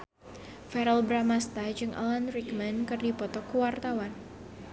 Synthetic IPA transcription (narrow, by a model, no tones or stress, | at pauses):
fɛɾɛlbɾamast̪ad͡ʒɨŋʔa̰lanɾikmɛnkɨrdipɔt̪ɔkuwart̪awan